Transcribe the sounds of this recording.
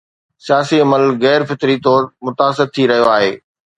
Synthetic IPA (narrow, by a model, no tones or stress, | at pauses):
sijaːsiɐməlɣɛːɾfɪt̪ɾit̪ɔːɾmʊt̪aːsɪɾt̪ʰiɾɐɦijoaːɦeː